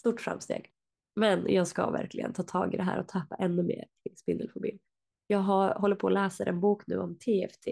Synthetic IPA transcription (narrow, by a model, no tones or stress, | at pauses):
st̪uːʈːfɾa̰mst̪ḛːɡ̥ | mɛnjɑːɡskavæ̰ɾklɪɡə̰nt̪ʰɑːt̪ʰɑːɡɪd̪ɛɦæ̰ːɾʔɔt̪ʰapːaʔɛnːɵmeːɾ | ɪnspɪnd̪əlfʊbiːn | jɑːɡɦaɦɔlːəɾpʰɔːlɛːsaɾɛnbuːknʉ̟ːɔmt̪ʰeːɛft̪ʰeː